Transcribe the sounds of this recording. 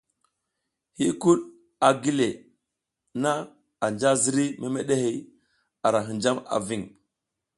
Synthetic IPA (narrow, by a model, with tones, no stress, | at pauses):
hi˦ku˦ɗ | a˨ɡi˦le˨ | na˦ | a˨nd͡ʒa˦zi˦ɾi˦me˨me˦ɗe˦he˨ | a˨ɾa˨ɦi˨nd͡ʒa˦ma̰˨vi˦˨ŋ